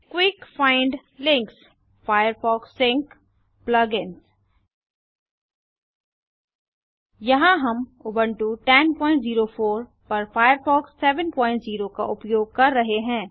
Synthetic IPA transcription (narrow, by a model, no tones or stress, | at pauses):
kwɪkfaːɪ̃ɳɖ | lɪ̃ŋks | faːjəɾfɔːksɪ̃ŋk | plɐɡɪns | jɐɦãɦɐmʊbəɳʈuʈɛnpɔ̃ːɪ̃ɳʈziːɾofoːɾ | pɐɾfaːjəɾfɔːksːɛːʋənpɔ̃ːɪ̃ɳʈziːɾoka̰ʔʊpjoːɡ̚kɐɾːɐɦeɦɛ̃ː